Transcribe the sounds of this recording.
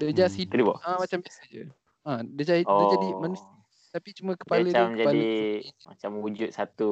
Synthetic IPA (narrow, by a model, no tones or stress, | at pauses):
dəd͡ʒashiəlibɔ̰ʔamat͡ʃambjasad͡ʒə | ãdəd͡ʒaiəd͡ʒadimanusə | t̪apit͡ʃumə̃kə̥palət͡ʃamkd͡ʒapaldimat͡ʃamud͡ʒut̪̚sat̪u